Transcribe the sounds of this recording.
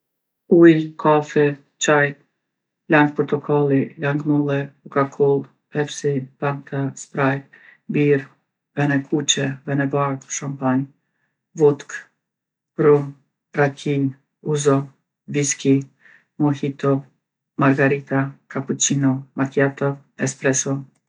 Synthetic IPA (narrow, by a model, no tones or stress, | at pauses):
ujkʰafɛ | t͡ʃaj | laŋɡ̚pɔɾt̪ɔkʰalˠilaŋɡmulˠɛukakʰɔlˠ | ɛfsibaŋt̪ʰaspɾaj̪biɾ | vɛnɛkʰut͡ʃɛvɛnɛvaɾkʃɔmpan | vut̪k | bɾum | ɾakʰin | uzɔ | viski | mɔhit̪ɔ | maɾɡaɾit̪akaput͡ʃinɔmak̪jat̪ɔv | ɛspɾɛsɔ